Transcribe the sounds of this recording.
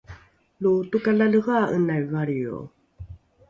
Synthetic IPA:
lutukalaləɣaənajvaɭio̰

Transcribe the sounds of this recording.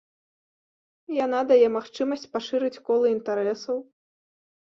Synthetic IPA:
janad̪ajɛmaxt͡ʂɨmɐsʲt͡sʲpaʂɨɾɨt͡sʲkɔlˠɨint̪aɾɛsɐw

